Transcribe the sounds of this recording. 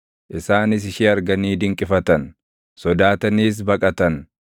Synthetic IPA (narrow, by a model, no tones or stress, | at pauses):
ʔɪsaːnɪs̬ɪʃiːɐɾɡɐniːd̪ɪŋkʼɪfɐt̪ɐn | sɔd̪aːt̪ɐniːs̬bɐkʼɐt̪ɐn